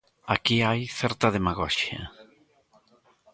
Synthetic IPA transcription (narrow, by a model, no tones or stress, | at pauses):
akiajθɛɾt̪ɐðemaɣɔʃjɐ̰